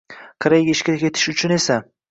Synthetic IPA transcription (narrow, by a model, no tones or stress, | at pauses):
qʰɨɾajɡʲɪʃkʲɪɾɪkʲe̞t̪ʰɪ̥ʃʊt͡ʃʰʊne̞sa